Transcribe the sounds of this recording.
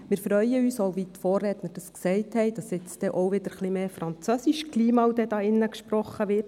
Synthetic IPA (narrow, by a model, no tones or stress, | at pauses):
mɪːɾfɾœʏəyːsɔwʋit̪foːrːɛt̪nəd̥ɑsksɛɪthɛɪd̥ɑsɛt͡sd̥ɛʔɔwʋɪd̥əɾχlimeːfɾɑnt͡sœsiʃkliːmɑwd̥ɛd̥ɑːɪnːəkʃpɾɔχəʋɪːt